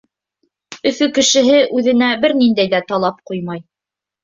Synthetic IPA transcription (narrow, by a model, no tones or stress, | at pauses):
ɵ̆fɵkɘ̆ʃɘ̆ɦɘʔʉðɘ̆næbɘɾnind̪æjðæt̪ɑlˠɑp̚qujmɑj